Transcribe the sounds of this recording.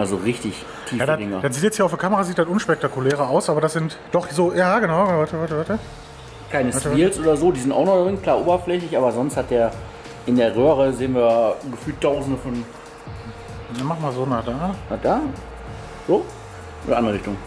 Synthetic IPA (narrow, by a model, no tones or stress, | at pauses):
ʔalzoʁɪçtɪç | tʰiːfjaːdadɪŋɐ̰d̥atz̥iːtjɛt͡shiːɐaʊfd̥ɐkʰaməʁaːziːt̚d̥atʔʊnʃpɛk̚takulɛːʁəaʊsʔaːbɐdasz̥ɪnt | d̥ɔχzoːjaːɡənaʊvatəvatəvaːtə | kʰaɪnəsvaɐtiːlsʔoːdɐzoːdizɪntʔa̰ʊxnɔvɪŋkʰl̥aːʔo̰ːbɐflɛçlɪçʔaːbɐzɔnsthat̚d̥eːɐ | ʔɪndeːɐʁøːʁəzeːənviːɐɡəfyːltʰːaʊzn̩dəfɔn | amaχ̩maːzoːnaːdaːnad̥aː | z̥oː | ʔo̰ːdɐandʁəʁɪçtʊŋ